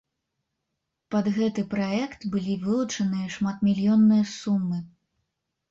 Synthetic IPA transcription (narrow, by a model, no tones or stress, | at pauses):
pɐd̪ɣɛt̪ɨpɾaɛkt̪bɨlʲivɨlˠut͡ʂɐnɨjɐʂmat̪mʲilʲjɔnːɨjɐsumːɨ